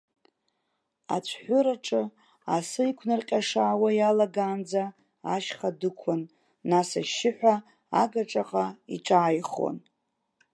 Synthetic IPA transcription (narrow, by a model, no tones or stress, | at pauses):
a̰t͡ʃʷʰħʷʊɾaʈ͡ʂʰʼɨ | asɨikʷʰnɨrqʲʼaʂaːwajalaɡaːnd͡za | a̰ʃχadɨkʷʰʊnː | asaʃɪħʷa | aɡaʈ͡ʂʼaqʼaiʈ͡ʂʼaːjχwo̰n